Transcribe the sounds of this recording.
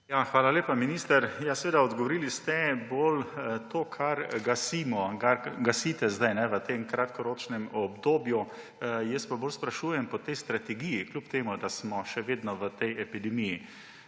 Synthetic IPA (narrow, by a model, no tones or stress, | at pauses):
jaxʋaːlaleːpaminist̪əɾjasɛʋeːd̪aɔd̪ɡɔʋɔɾilist̪ɛboːlt̪oːkʰaɾɡasimɔɡaɾɡasit̪ɛzd̪ajnɛʋət̪emkɾat̪kɔɾoːt͡ʃnɛmɔbd̪oːbju | jəspaboːlspɾaʃuːjɛmpɔt̪ɛjst̪ɾat̪ɛɡijiklʲupt̪eːmud̪asmɔʃɛʋeːd̪nɔʋət̪ɛjɛpid̪ɛmiji